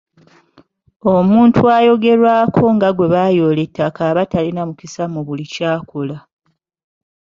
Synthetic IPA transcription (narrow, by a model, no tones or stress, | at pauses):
o̞muːntʰuajo̞ɡe̞ɾwaːkʰo̞ŋɡaɡwe̞βajo̞ːle̞tːakaβatalinamucisamuβulicaːkola